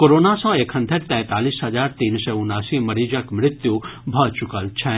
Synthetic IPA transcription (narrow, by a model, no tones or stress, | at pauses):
koːɾoːnasɔ̃eːkʰɦə̃nt̪ʰeɾt̪ɛ̃ːt̪aːliːsɦɐd͡ʒaːɾt̪iːnsɛːʊnaːsimɐɾiːd͡ʒɐkmɾɪt̪jubʱət͡ʃʊkəlt͡ʃʰɛ